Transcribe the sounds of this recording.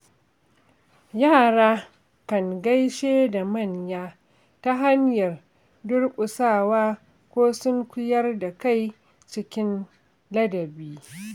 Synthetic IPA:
jaː˦˨ɽaː˦ | kɐ˨ŋɡɐ˦jʃeː˦da˨mɐ˦˨ɲjaː˦ | ta˦ɦa˦ɲjɐ˨r | dʊ˦rkʷʼʊ˨saː˦˨waː˦ | kʷoː˦sʊ˦ŋkʷʊ˦jɐ˦rda˨ka˦˨j | t͡ʃɪ˦kʲɪ˦n | lɐ˦dɐ˨biː˦

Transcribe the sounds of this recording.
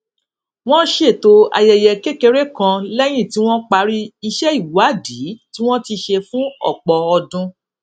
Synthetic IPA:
w̃ɔ̃˦ʃe˦˨to˧a̰˧jɛ˧jɛ˧ke˦ke˧ɾe˦kã˧lɛ˦j̃ĩ˦˨ti˦w̃ɔ̃˦k͡pa˧ɾi˦i˧ʃɛ˦i˦˨wa˨˦di˨˦ti˦w̃ɔ̃˦ti˧ʃe˧fũ˦ɔ̰˦˨k͡pɔ˨ɔ˧dũ˧

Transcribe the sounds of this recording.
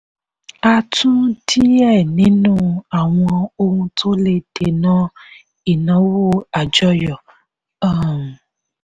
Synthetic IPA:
a˧tʰũ˦ti˦ɛ˦˨nĩ˨˦nũ˦a˨w̃ɔ̃˧o˧ũ˧tʰo˦le˧te˨nɔ̃˦ | i˨nɔ̃˨˦wo˦a˨d͡ʒɔ˦jɔ˨ | a˦˨m˨

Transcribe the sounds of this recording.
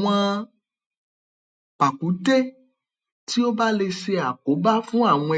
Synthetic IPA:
w̃ã˧ | pa˨ku˨˦te˦ | ti˦o˦ba˦le˧se˧a˨ko˨˦ba˦fũ˦a˦˨w̃ɔ̃˧ɛ˨

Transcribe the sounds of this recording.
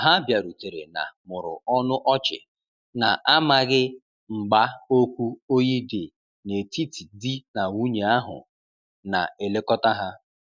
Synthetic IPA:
ɦa˦bja˨ɾu˨te˨ɾḛ˨na̰˨mʊ˨ɾʊ̰˨ɔ˦nʊ˦ʔɔ˦t͡ʃɪ̰˨ | na˨ʔa˦ma˨ɣɪ˦ | ŋ͡m̩˨ɡ͡ba˦o˦kʷu˦o˦ɲi˦de˨ | ne˨ti˦ti˨di˦na˨wu˦ɲe˨a˦ɦʊ̰˨ | na̰˨e˨le˦kɔ˦ta˦ɦa˦

